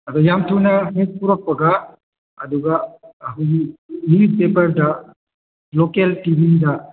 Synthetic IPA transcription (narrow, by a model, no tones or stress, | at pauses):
adɔjamtʰuwnaɦet̚puɾak̚pɐɡaː | duɡaːɦɯɡiipepɐɾda | lokeltibinda